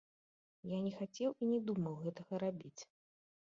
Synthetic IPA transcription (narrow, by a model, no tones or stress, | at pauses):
janʲɛxat͡sʲɛwinʲɛd̪umɐwɣɛt̪ɐɣɐɾabʲit͡sʲ